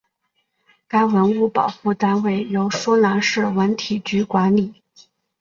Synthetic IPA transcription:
ka˥ɪwə˧˥nu˥˩pɑ˨˩ʊxu˥˩t̪a˥nwe˥˩ɪjo˧˥ʊsɔ˥na˧˥ʂɻ̩˥˩wə˧˥nt̪ʰi˨˩t͡ɕy˧˥kwa˧˥nli˨˩˦

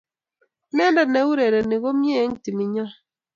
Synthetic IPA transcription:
nɛ˦ndɛ˨ne˨˦wu˦ɾe˨ɾɛ˨ne˨ɣo˦mje˦ŋ̩˦ti˨mi˨ɲɔ˦

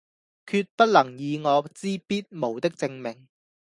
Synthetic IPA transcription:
kʰyː˧t̚pɐ˥t̚lɐ˨˩ŋjiː˨˧ŋɔː˨˧t͡siː˥piː˥t̚mo˨˩wt̪ɪ˥k̚t͡sɪ˧ŋmɪ˨˩ŋ

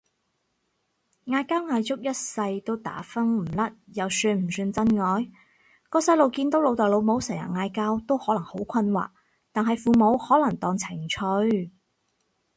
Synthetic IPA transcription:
ŋaː˧jkaː˥wŋaː˧jt͡sʊ˥k̚jɐ˥t̚sɐ˧jt̪o˥wt̪a̰ː˨˥fɐ˥ŋm̩˨˩lɐ˥t̚jɐ˨wsyː˧nm̩˨˩syː˧nt͡sɐ˥nŋɔː˨˧j | kɔː˧sɐ˧jlo˨wkiː˧nt̪o˨˥wlo˨˧wt̪ɔ˨jlo˨˧wmo˨˥wsɛː˨˩jɐ̰˨˩ŋaː˧jkaː˥wt̪o˥whɔː˨˥lɐ˨˩ŋho˨˥wkʷʰɐ˧nwa̰ː˨k̚ | t̪aː˨nɦɐ˨jfuː˨mo˨˧whɔː˨˥lɐ˨˩ŋt̪ɔː˨˧ŋt͡sʰɪ˨˩ŋt͡ʃʰɵ˨˧ɥ

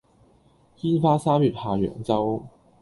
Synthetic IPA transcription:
jiː˥nfaː˥saː˥mjyː˨˩t̚haː˧ɥœ̰ː˨˩ŋt͡sɐ˥w

